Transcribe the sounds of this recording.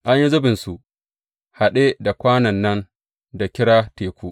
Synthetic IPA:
ʔa˨˦ɲji˦zʊ˦bɪ˨nsu˨ʔ | ha˨ɗe˦da˨kʷaː˦nɐ˨nːɐ˦n | da˨kʲɪ˦ɽaː˦teː˨kʷuː˦ʔ

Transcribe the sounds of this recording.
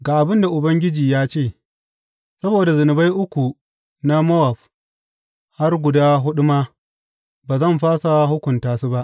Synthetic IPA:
ɡaː˨ʔa˨bɪ˦nda˨ʔʊ˨bɐ˦ŋɡʲɪ˦d͡ʒiː˨jaː˦t͡ʃeː˦˨ | sɐ˦boː˨da˨zʊ˨nʊ˨ba˦jʔʊ˦kʷu˨ | na˦mɔ˦wa˨ɸ | ha˦rɡʷʊ˨daː˦ɦʊ˦ɗʊ˦maː˦ | baː˨zɐ˦˨mɸaː˦sa˨ɦʊ˦kʷʊ˨ntaː˨su˦ba˦ʔ

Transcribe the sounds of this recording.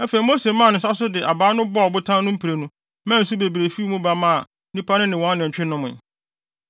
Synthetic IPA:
ɛ˦fe˨i˨mo˦se˨mã˦˨nʊ̃˨s̬a˦s̬ʊ˦dɪ˨ʔa˨baː˦nʊ̃˦bɔ˦˨bʊ˦tʰã˦nʊ̃˦m̩˦pʰi˨ɾe˨nũ˦ | mã˦n̩˦su˦be˨bi˨ɾe˨fi˦mũ˦ba˦mã˦˨ | nĩ˦pa˦nʊ̃˦nɪ̃˨wɔ̃˦n˦nɪ̃˨ɲ˨t͡ɕᶣɪ˦nʊ̃˦mʊ̰̃˨

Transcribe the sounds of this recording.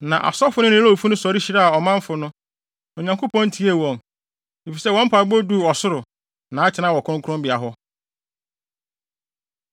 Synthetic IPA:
nã˨ʔa̰˨sɔ˦fʊ˦nʊ̃˦nɪ̃˨˦o˦˨fu˦nʊ̃˦sɔ˨ɾi˦ɕi˦ɾa˦a˨ɔ˨mã˦ɱ˦fʊ˨nʊ̃˦ | ɔ˨ɲã˨ŋkʰo˦pʰɔ̃˦n̩˦tʰi˦e˦˨wɔ̃˨ŋ | e˨fi˨sɛ˦wɔ̃˦m̩˦pʰaː˨bo˦du˦˨ɔ˨sʊ˦ɾʊ˨ | nã˨˦a˦t͡ɕʰɪ˨nã˦wɔ˨kʰʊɾʊ̃˦ŋkʰʊ˦ɾʊ̃˦bɪ˨a˨ɦʊ˦

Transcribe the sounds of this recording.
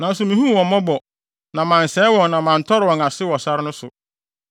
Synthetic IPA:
nã˨n̩˦sʊ˨mĩ˨hũ˦˨wɔ̃˨mɔ̃˦bɔ˨ | nã˨mã˨n̩˨sɛː˨˦wɔ̃˨nnã˨mã˨n̩˨tʰɔ˦ɾɪ˨wɔ̃˨ŋa˨sɪ˦wɔ˨sa˦ɾɪ˦nʊ̃˦sʊ̰˨

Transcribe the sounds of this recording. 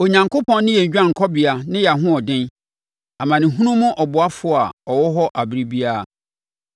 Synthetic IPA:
o˨ɲã˨ŋkʰo˦pʰɔ̃˦n˦nɪ̃˦jɛ˨d͡ʑᶣã˦˨ŋ̩˨kʰɔ˦bɪ˨a˨nɪ̃˦ja˨ɦʊ̃˦ɔ˨dɪ̃˦n | a˨mã˨nɪ̃˨ɦũ˦nũ˦mʊ̃˦ʔɔ˨bʊ˨a˦fʊ˨˦˨a˨ɔ˨wɔ˦ɦɔ˦ʔa˨bɾi˦bi˦a˦˨

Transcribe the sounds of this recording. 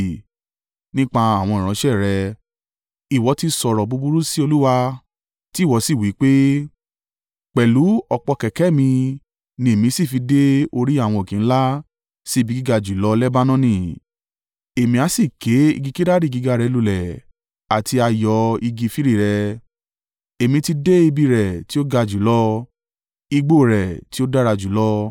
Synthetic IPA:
nĩ˦k͡pa˧a˦˨w̃ɔ̃˧˨ɾ̃ã˨˦ʃɛ˦˨ɾɛ˧ | i˨wɔ˨˧˦ti˦sɔ˧˨ɾɔ˨bu˧˦bu˦ɾu˦si˦o˧lu˦wa˧ | ti˦˨wɔ˨˧˦si˦˨wi˨˦k͡pe˦ | k͡pɛ˨lu˨˦ɔ˧k͡pɔ˧kɛ˨kɛ˨˦mĩ˧ | nĩ˧e˨mĩ˧˦si˦˨fi˧de˦o˧ɾi˦a˦˨w̃ɔ̃˧o˨kĩ˨ñ̩˦la˦ | si˦˨bi˧˦ɡi˦ɡa˧d͡ʒu˨˦lɔ˦lɛ˦ba˦nɔ̃˦nĩ˧˨ | e˨mĩ˧a˨˧˦si˦˨ke˨˦ḭ˧ɡi˧ki˦ɾa˦ɾi˦˨ɡi˨˧ɡa˧ɾɛ˧lu˨˧˨lɛ˨ | a˨ti˧a˧jɔ˧i˧ɡi˧fi˦ɾi˦˨ɾɛ˧ | e˨mĩ˧ti˧de˦i˧bi˧ɾɛ˨ti˦o˦ɡa˧d͡ʒu˨˦lɔ˦ | i˧ɡ͡bo˦˨ɾɛ˨ti˦o˦da˦ɾa˧d͡ʒu˨˦lɔ˦

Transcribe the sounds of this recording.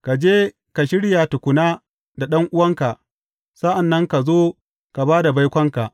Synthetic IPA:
ka˨d͡ʒeː˦ | ka˨ʃɪ˦ɽja˨tʊ˨kʷʊ˨naː˦ | da˨ɗɐ˦ŋʔʊ˦wɐ˦ŋka˨ʔ | sa˦ʔa˨nːɐ˦ŋka˨zoː˦ | ka˨baː˦da˨ba˦jkʷɐ˦ŋka˨ʔ

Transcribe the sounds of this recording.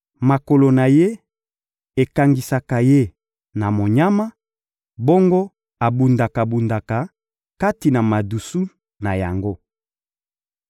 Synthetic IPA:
ma˨ko˨lo˨na˨je˦ | e˨ka˨ŋɡi˨sa˨ka˨je˦ | na˨mo˨ɲa˦ma˦ | bo˦ŋɡo˦ | a˨bu˨nda˨ka˨bu˨nda˨ka˨ | ka˦ti˨na˨ma˨du˨su˦ | na˨ja̰˨ŋɡo˦

